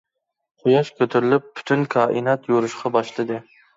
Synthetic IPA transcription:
qʰʊjɑʃkʲʰɵt̪ʰʊɾɪlɪpʰːʊ̥t̪ʰʊnkʰɑːʔɪnɑt̪ʰjoɾʊʃqʰɑbɑʃlˠɪd̪ɪ

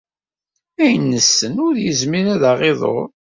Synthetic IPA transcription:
æjənːəsːənʊɾjəzmiɾæðaʁeðˤo̰ɾˤ

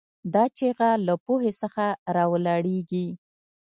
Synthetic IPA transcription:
d̪ɑt͡ʃeɣalapoɦesəxaɾɑwəlɑɽeɡi

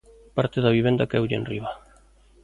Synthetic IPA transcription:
paɾt̪eðaβiβend̪akɛwʎḛnriβa

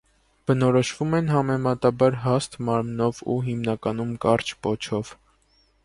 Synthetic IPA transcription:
b̥ənɔɾɔʃvumɛnɦɑmɛmɑt̪ɑbɑɾɦɑst̪mɑɾmnɔvṵɦimnɑkɑnumkɑɾt͡ʃʰpɔt͡ʃʰɔv̥

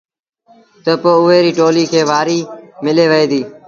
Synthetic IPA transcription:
t̪əpoːʊɦeːɾiːʈoːliːkʰeːʋaːɾiːmɪleːʋəeːd̪iː

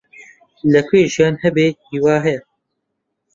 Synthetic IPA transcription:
lɐkʰʷeːʒijaːnhɛbeːhiːwaːɦɛjɛ

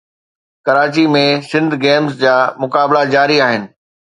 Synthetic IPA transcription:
kɐɾaːt͡ɕimẽsɪ̃nd̪ʱɡeːmzd͡ʑaːmʊkaːblad͡ʑaːɾiaːɦɪnɪ̆

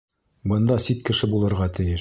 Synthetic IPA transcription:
bɤ̆nd̪ɑsit̪kɘ̆ʃɘbulˠɤ̆ɾʁɑt̪ɘ̆jɘʃ

